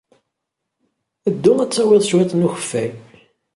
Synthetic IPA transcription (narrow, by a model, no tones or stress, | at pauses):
əd̪ːʊæt͡sːəwɪðˤswæt̪ˤnuçə̥fːæj